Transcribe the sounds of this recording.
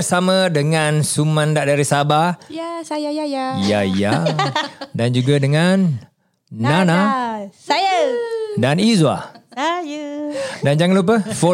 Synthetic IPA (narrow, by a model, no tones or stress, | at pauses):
rsamə̃dəŋansumãndaʔdaɾisaba | jaija̰ | dand͡ʒuɡadəŋan | nana | danizwa̰ | dand͡ʒaŋalup̬əfɔ